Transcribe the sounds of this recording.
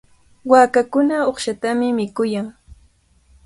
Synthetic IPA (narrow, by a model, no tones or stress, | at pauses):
waːkakʊnaoχʃat̪amɪmɪkʊjaŋ